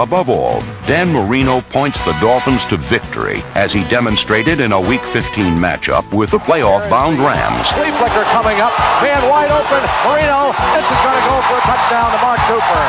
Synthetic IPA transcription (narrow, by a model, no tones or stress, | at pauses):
əbʌvɔ̰lˠ | dæ̃nmə˞ĩnoʊpʰɔ̃ɪ̃ntsðədɔlˠfə̃n̩z̥tʰɨvɪk̚tʰə̰˞ḭʔɨz̥idɛmɨ̃nstɹ̥eɪɾɨɾɨ̃nəwikfɪftʰĩnmæ̰t͡ʃʌ̰pwɪðəpʰl̥eɪɔfb̥ãʊ̃ndɹæ̰̃mz̥liflɪkə˞kʰʌmɪ̃ŋʌp̚mæ̃nwaɪɾoʊpɨ̃nmə˞ĩnoʊðɪsɨzɡʌnɨɡoʊfə˞ɨtʰʌt͡ʃd̥ãʊ̃ntəmɑɹk̚kʰupə˞